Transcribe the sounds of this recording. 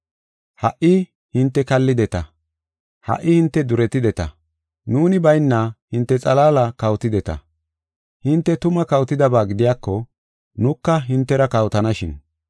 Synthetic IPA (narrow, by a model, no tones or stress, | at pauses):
hɐ̰ʔɪ | hɪnt̪ːɛkɐlːɪd̪ɛt̪ɐ | hɐ̰ʔːɪhɪnt̪ːɛd̪ʊɾɛt̪ːɪd̪ɛt̪ɐ̰ | nuːnɪbɐjnːahɪnt̪ːɛt͡sʼɐlaːlɐkɐwt̪ɪd̪ɛt̪ɐ̰ | hɪnt̪ːɛt̪ʊmɐkɐwt̪ɪd̪ɐbaːɡɪd̪ɪjaːkːɔ | nʊkːɐɦɪnt̪ːɛɾɐkɐwt̪ɐnɐʃɪn